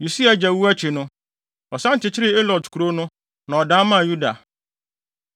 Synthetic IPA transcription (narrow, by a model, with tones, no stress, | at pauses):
ju˨si˦a˨d͡ʑɛ˨wu˦æ˦t͡ɕʰi˨nʊ̃˦ | ɔ˨sã˦n̩˨t͡ɕɪ˨t͡ɕʰɪ˦ɾɪ˦e˦lɔ˨dkʰu˨ɾo˦nʊ̃˦ | nã˨ɔ˨dãː˦mã˦˨ju˦da˨